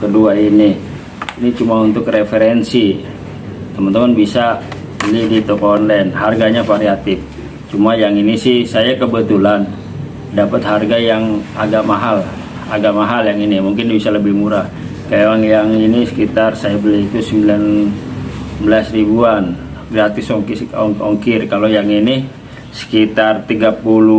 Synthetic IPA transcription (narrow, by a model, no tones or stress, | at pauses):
kəduaini | init͡ʃumaunt̪ʊkrefeɾɛnsi | t̪əmənt̪əmanbisa | bəlihdit̪okɔnlɛnharɡaɲafaɾiat̪ɪf | t͡ʃumajaŋinisɪhsajakəbət̪ulan | dapət̪̚harɡajaŋaɡamaɦal | aɡaʔmaɦaljaŋinimuŋkɪnbisaləbɪhmuɾah | kajaŋjaŋinisə̥kit̪arsajabəlɛɦit̪usəmbilan | bəlasribuanɡɾat̪ɪsɔŋkɪsɔŋkɪrkalojaŋini | sə̥kit̪art̪iɡapulu